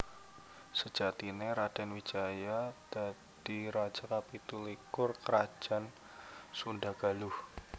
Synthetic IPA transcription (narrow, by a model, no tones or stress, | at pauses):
sə̥d͡ʒat̪ineɾad̥anwit͡ʃajad̥a | d̥iɾḁd͡ʒ̥akapit̪ulikʊrkəɾḁd͡ʒ̥a̤n | sundaɡ̥alʊh